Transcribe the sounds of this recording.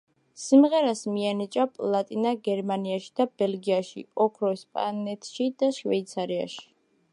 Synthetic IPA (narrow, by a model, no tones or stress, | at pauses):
simʁɛɾasmianit͡ʃʼapʼlˠat̪ʼinaɡɛɾmaniaʃi̥d̪̥abɛlɡiaʃḭɔkʰɾɔɛspʼa̰nɛt̪ʰʃid̪aʃvɛ̰it̪sʰaɾia̰ʃi̥